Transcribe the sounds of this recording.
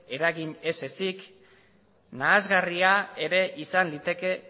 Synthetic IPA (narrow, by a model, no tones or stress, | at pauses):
e̞ɾaɣiɲe̞se̞sik | naːzɣariae̞ɾe̞ʔisanlit̪e̞ke̞